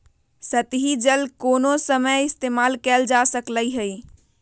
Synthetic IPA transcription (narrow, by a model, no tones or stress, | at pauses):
sət̪ɦid͡ʒəlkonosəməjɪst̪emalkɛld͡ʒasəkləjɦəj